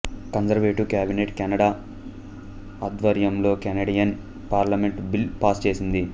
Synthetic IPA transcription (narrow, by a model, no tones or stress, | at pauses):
kɐnzɐɾʋeːʈukʲaːbineʈkɛnɐɽaː | ɐd̪ʋɐɾjɐmlo̞ːkɛnɐɽijɐn | paːɾlɐmeɳʈbilpaːst͡ʃe̞ːsind̪i